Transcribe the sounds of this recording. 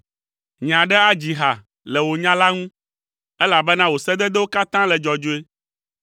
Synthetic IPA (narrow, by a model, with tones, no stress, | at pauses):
ɲã˨ɖɛ˦a˦d͡ʑi˨ɦa˨ | lɛ˨wo˨ɲã˦la˦ŋũ˦ | ɛ˦la˨bɛ˦nã˦wo˨sɛ˦d̪ɛ˦d̪ɛ˦wo˦ka˦t̪ã˦lɛ˨d͡ʒɔ˨d͡ʒo˦e˦